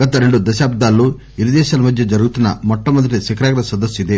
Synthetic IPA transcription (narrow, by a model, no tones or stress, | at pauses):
ɡɐt̪ɐɾeɳɖud̪ɐsaːb̚d̪ʱaːlːoː | iɾid̪ɛːʃaːlɐmɐd̪ʱjɐd͡ʒɐɾuɡut̪unːɐmɔʈːɐmɐd̪ːɐʈisɐkɾaːɡɐɾɐsɐd̪ɐsːid̪e